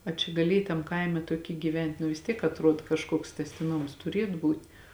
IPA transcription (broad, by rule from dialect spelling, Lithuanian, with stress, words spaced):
ɐ ˈt͡ʃʲɛ ɡɐˈlʲiɛj tɐm ˈkɐɪmʲɛ tuɔˈkʲiː ɡʲiːˈʋʲɛnʲtʲ nʊ ʋʲɪs ˈtʲiɛk ɐtˈruɔt kɐʃˈkuɔks tʲæːsʲtʲɪˈnoːms tʊˈrʲiɛt ˈbuːtʲ